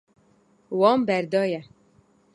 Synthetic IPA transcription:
wɑːmbɛɾd̪ɑːjɛ

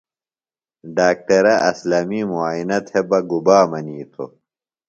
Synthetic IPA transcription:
ɖaːk̚ʈɐɾɐʔɐslɐmiːmuaːinɐt̪ʰebɐɡubaːmɐniːt̪ʰo̰

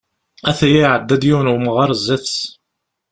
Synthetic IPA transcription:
æθæjiʕəd̪ːæd̪jiwnuməʁɑɾˤzːæθs

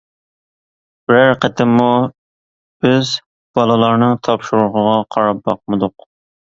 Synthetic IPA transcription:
b̥ɪɾæɾqət̪ʰɪmːu | b̥ɪz | b̥ɑlˠɨlˠɑɾnɨŋt̪ʰɑpʃuɾuɾʁəʁɑqʰɑɾɑp̚bɑq̚mɨd̪ʊq

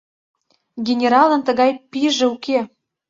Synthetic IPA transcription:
ɡʲenʲeɾɑlə̆nt̪ə̆ɣɑjpiʒĕuke

